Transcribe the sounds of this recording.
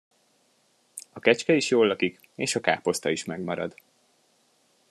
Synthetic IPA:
ɒkɛt͡ʃkɛiʃjoːlːɒkik | eːʃɒka̰ːpo̞st̪ɒiʃmɛɡmɒɾɒ̰d̪

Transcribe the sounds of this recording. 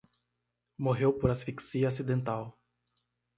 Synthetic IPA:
moɦewpoɾasfiksiosid̪ẽnt̪aw

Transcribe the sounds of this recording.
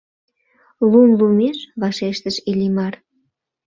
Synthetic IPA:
lumlumeʃβɑʃeʃt̪əʃilʲimɑr

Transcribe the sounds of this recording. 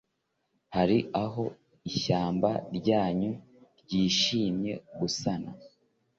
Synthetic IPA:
haɾiʔaɦo̞ | içaːmba̰ɾɟaːɲu | ɾɟiːʃiːmɲe̞̰ɡusana̰

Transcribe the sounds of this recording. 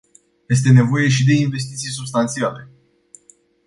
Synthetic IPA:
je̞s̬t̪e̞ne̞vo̞je̞ʃid̪e̞inve̞s̬t̪it̪sijsubst̪ant̪siale̞

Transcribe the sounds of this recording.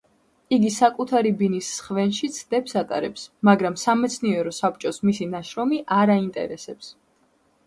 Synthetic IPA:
iɡisakʼut̪ʰaɾibinisːχvɛnʃit̪sʰd̪ɛpsat̪ʼa̰ɾɛpsmaɡɾamsamɛt̪sʰniɛɾɔsap̚t͡ʃʼɔsmisinaʃɾɔmiʔaɾaint̪ʼɛ̰ɾɛsɛps

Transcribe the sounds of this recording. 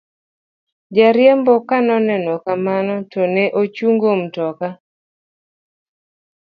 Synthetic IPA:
d͡ʒaɾjɛmbɔkanɔnɛnɔkamanɔtɔnɛʔot͡ʃuŋɡomtɔka

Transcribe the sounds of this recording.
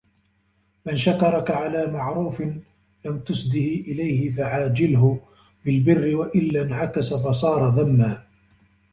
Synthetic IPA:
mɪnʃakɑɾˤɑkaʕalaːmaʕɾuːfɪn | lamt̪ʊsd̪ɪhiʔɪlajhɪfaʕaːd͡ʒɪlɦʊ | bɪlbɪrːɪwaʔɪlːanʕakasafɑs̬ˤɑːɾˤɑðamːaː

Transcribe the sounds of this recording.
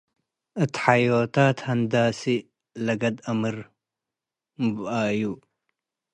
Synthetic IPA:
ʔɨt̪ħajot̪ʰat̪hɐnd̪asi | lɐɡɐd̪ɐmɨɾ | mɨbaɨju

